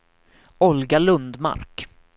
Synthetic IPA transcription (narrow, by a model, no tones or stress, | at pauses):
ɔlɡalɵnd̪ma̰ɾk